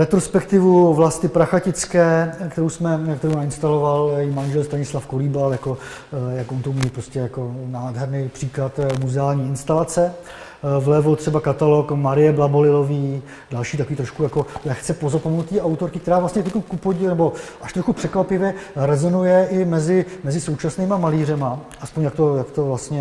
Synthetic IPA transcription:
ɾɛt̪ɾo̞spɛkt̪ɪvuvlast̪ɪpɾaxacɪt͡skɛːkt̪ɛɾowsmɛkt̪ɛɾownaɪnst̪alo̞valjjimanʒɛlst̪aɲɪslafkoliːbaljako | jakʔont̪owmilpɾo̞scɛjako̞naːdɦɛɾnejpr̝̥iːklat̪muzɛaːlɲiːɪnst̪alat͡sɛ | vlɛvot̪r̥ɛbakat̪alo̞kmaɾɪjɛblabolɪlo̞viː | dalʃiːt̪akoiːt̪ɾoʃkujako̞lɛxt͡sɛpo̞zapomnnut̪ːiːawt̪oɾkɪkt̪ɛɾaːvlastɲɛk̪ɛkomkupoɟɪnɛbo̞ʔaʃt̪ɾoxupr̝̥ɛkvapɪvjɛɾɛzo̞nujɛʔɪmɛzɪmɛzɪsowt͡ʃasniːmamaliːr̝ɛmaʔaspo̞ɲjak̚t̪o̞jakt̪ovlast̪ɲɛ

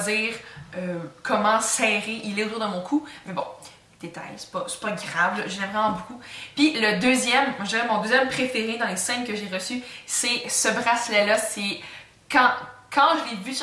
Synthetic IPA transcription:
ziːʁøkʰɔmɑ̃sɛːʁeʔilɛot̪uːʁd̪əmɔ̃kʰumɛbɔ̰̃ | d̪̥et̪a̰jsɛ̥pɔsɛ̥pɔɡʲʁavlɔʒəʒɛmʁɛmɑ̃bukupɥiləd̪øːzjɛmmʒd̪iːʁɛmɔ̃d̪øːzjɛmpχefeʁed̪ɑ̃lesɛ̃nkəʒeʁəsysesəbʁaslɛlase | kɑ̃kʰɑ̃ʒəlevys

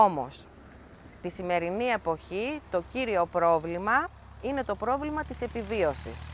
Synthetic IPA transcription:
o̞mo̞̰s | t̪isime̞ɾinie̞po̞çit̪o̞ciɾio̞pɾo̞vlimɐ | ine̞t̪o̞pɾo̞vlimɐt̪ise̞pivio̞sḭs

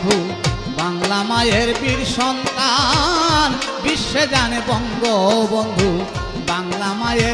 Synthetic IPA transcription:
d̪ʱu | baŋlamajeɾpiɾʃɔnt̪a | nbiʃːed͡ʒanebɔŋɡobɔnd̪ʱu | baŋlamaje

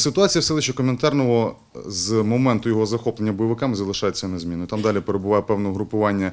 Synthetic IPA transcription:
sɪt̪ʊɑt͡sʲijɐwsɛlˠɪʃt͡ʃɛkɔment̪ɑrnɔɦɔ | zmɔmɛnt̪ʊjɔɦɔzɐxɔplˠenʲːɐbɔjɪʋɪkɑmɪzɐlˠɪʃɑjɪt͡sʲːɐnezʲmʲinɔjt̪ɑmd̪ɑlʲipeɾebʊʋɑjɛpɛwnɔɔɦɾʊpʊʋɑnʲːɐ

